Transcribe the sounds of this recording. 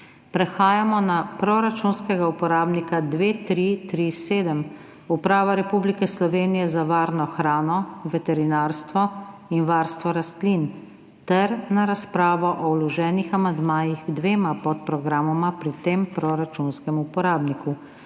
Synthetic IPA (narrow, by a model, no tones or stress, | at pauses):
pɾɛxaːjamɔnapɾɔɾat͡ʃunskɛɡaupɔɾaːbnikad̪ʋeːt̪ɾit̪ɾiseːd̪əm | upɾaːʋaɾɛpublikɛslɔʋeːnijɛzaʋaːɾnɔxɾaːnɔʋɛt̪ɛɾinaɾst̪ʋɔinʋaːɾst̪ʋɔɾast̪lin | t̪ɛɾnaɾaspɾaːʋɔʔɔwlɔʒɛːnixamand̪maːjiɣɡd̪ʋeːmapɔt̪̚pɾɔɡɾaːmɔmapɾit̪eːmpɾɔɾat͡ʃunskɛmupɔɾaːbniku